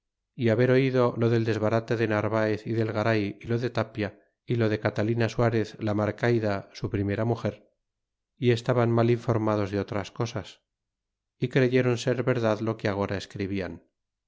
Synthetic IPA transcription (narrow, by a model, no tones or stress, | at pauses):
iaβe̞ɾo̞iðo̞lo̞ðe̞ld̪e̞zβaɾat̪eðe̞naɾβaeθiðe̞lɣaɾajilo̞ðe̞t̪apja | ilo̞ðe̞kat̪alinaswaɾe̞θlamaɾkajðasupɾime̞ɾamuxe̞ɾ | ie̞st̪aβanmaliɱfo̞ɾmað̞o̞zðeo̞t̪ɾasko̞sas | ikɾe̞ʝe̞ɾo̞nse̞ɾβe̞ɾðaðlo̞keaɣ̞o̞ɾaeskɾiβian